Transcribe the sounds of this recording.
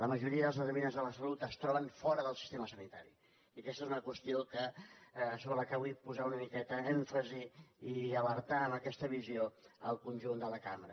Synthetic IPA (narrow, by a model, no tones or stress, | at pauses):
ləməʒuɾiəðəlˠzəzəβinəzðələsəlut̪əst̪ɾɔβ̞əɱfɔɾəðəlˠsist̪eməsənit̪aɾḭ | iəkɛst̪ezunəkwəst̪iokə | soβələkaβujpuzaunəmikɛt̪əɛɱfəziː | əβəɾt̪aəməkɛst̪əβizioəlˠkunʲʒund̪ələkamɾə